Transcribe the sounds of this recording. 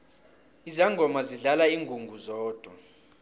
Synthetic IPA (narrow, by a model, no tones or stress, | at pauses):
izaŋɡʱɔmaziɮalaiːŋɡʱuŋɡʱuzɔːd̥ʱwa